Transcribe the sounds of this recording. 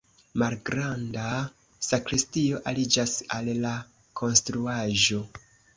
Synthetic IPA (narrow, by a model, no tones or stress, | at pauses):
malɡɾanda | sakɾistio̞ʔalid͡ʒasalːa | kʰo̞nstɾuaʒo̞